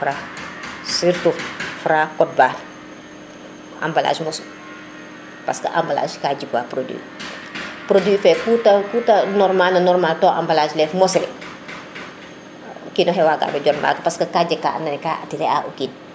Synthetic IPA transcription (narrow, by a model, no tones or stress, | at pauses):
fɾa | siɾtuffɾaːkɔt̚baːn | ʔa̰mbala̰ːsmɔs | paskɐ̰ʔa̰mbala̰ːskad͡ʒikuwapɾodḭ | pɾodifɛkutɐkutɐnɔrmalnɐnɔrmaltɔːʔa̰mbalaslɛfmɔslɛ | kinɔɦɛwaːka̰bɐɟɔnma̰ːkɐpaskɐkaːɟɐkːaanːɐnkaatiɾɛa̰ʔukin